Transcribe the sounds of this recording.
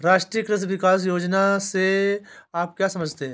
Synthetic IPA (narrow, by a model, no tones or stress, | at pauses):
ɾaːʃʈɾijəkɾɪsʋɪkaːs̬joːd͡ʒnaseaːp̚kjaːsɐməd͡ʒʱt̪eɦɛ̃